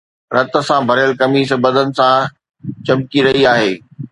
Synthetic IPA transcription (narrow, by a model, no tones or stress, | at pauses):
ɾɐt̪ə̆sãbʱɐɾjəlkɐmiːsbɐd̪ʱənɪ̆sã | t͡ɕɐmkiɾɐɦiaːɦeː